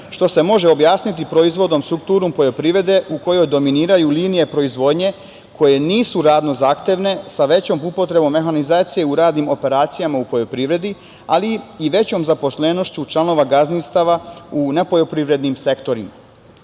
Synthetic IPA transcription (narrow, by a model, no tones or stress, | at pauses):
ʃt̪o̞se̞mo̞ʒe̞objaːsnit̪ipɾo̞izʋo̞d̪o̞mst̪ɾuk̚t̪uːɾumpo̞jo̞pɾiʋɾe̞d̪e̞ʔuko̞jo̞jd̪o̞miniːɾajuliːnije̞pɾo̞izʋo̞d̪ɲe̞ | kʰo̞je̞niːsuɾaːd̪no̞zaːxt̪jeʋne̞saʋe̞t͡ɕo̞ːmpupo̞t̪ɾe̞bo̞mːe̞xanizaːt̪sije̞uɾaːd̪nimo̞pe̞ɾaːt̪sijamaupo̞ʎo̞pɾiːʋɾe̞d̪i | a̰liːʋe̞t͡ɕo̞mzapo̞sle̞no̞ʃt͡ɕut͡ʃlˠano̞ʋaɡazninst̪aʋaune̞po̞ʎo̞pɾiʋɾe̞d̪nimse̞kt̪o̞ɾima̰